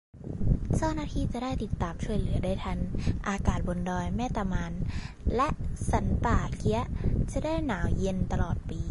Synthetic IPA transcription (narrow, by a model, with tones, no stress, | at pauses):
saː˥˩naː˥˩t̪ʰiː˧˩t͡ɕa˨˩daː˥˩jt̪i˨˩t̪ːaː˨˩mt͡ɕʰu˥˩əjlɯ˩˦ɐdaː˥˩jt̪ʰa˦˧˥nʔaː˧kaː˨˩t̪̚bo˧ndɔː˧jmɛː˥˩t̪a˧maː˧n | lɛ˦˥ʔsa˩˦npaː˨˩kʰi˦˥ɐt͡ɕa˨˩daː˥˩jnaː˩˦wje˧nt̪a˧lɔː˨˩t̪̚piː˧